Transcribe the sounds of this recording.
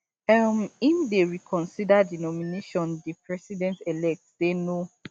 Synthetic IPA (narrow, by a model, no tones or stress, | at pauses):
amifdeɹikʰɔ̃nsidadinɔmineʃɔ̃ndipɹɛsidɛ̃ntɛlɛk̚tdeno